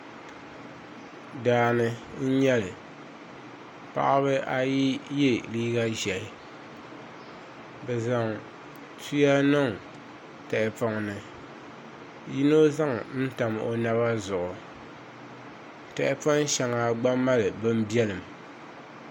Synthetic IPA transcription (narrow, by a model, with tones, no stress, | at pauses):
daː˨nɨ˨n̩˦ɲɛ˦lɨ˨ | pa̰˦ʔa˦βɨ˦ʔa˦ji˦je˦liː˦ɡa˦ʒɛ˨lɨ˨ | bɛ˨za˨ŋ | tu˦ja˦nɨ˦˨ŋ | tɛ˨ʔɪ˨pa˨ŋnɨ˨ | ji˦no˦za˦ŋ˦n̩˦ta˨mo̰˨na˦βa˦zʊ˨ʔʊ˨ | tɛ˨ʔɪ˦pɔ˦ŋ˦ʃɛ˨ŋaː˨ɡ͡ba˦mːa˦lɨ˨bɨ˦m˦bi˦ɛ˦lɨ˨m